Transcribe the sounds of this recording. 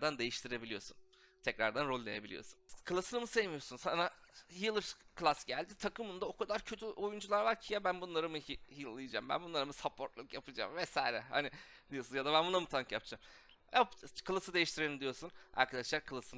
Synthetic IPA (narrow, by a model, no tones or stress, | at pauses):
d̪and̪e̞jiʃt̪ʰiɾe̞bilʲijo̞̰sun | t̪ʰɛcɾa̰ɾd̪anɾo̞lʲˠlːˠejebilʲijo̞̰sunkʰɯlˠasɯnɯmɯsevmijosunsanahilˠɾkʰlˠasɟælʲd̪it̪ʰakɯmund̪ao̞kʰad̪aɾcʰøt̪ʰyʔo̞jund͡ʒulˠaɾvaɾcʰijabænbunlˠaɾɯmɯihilˠːɯjɯd͡ʒa̰ːmbæ̰nbunlˠaɾɯmɯsapʰo̞ɾt̪lˠukjapʰɯd͡ʒa̰ːmvɛsajɾɛha̰nɪ | d̪ijo̞sunjad̪abænbunamɯt̪ʰaŋkjapʰɯd͡ʒa̰ːm | japkʰɯlˠɯsɯd̪e̞jiʃt̪ʰiɾenʲimd̪ijo̞suna̰ɾkʰad̪aʃlˠaɾkʰɯlˠɯsɯn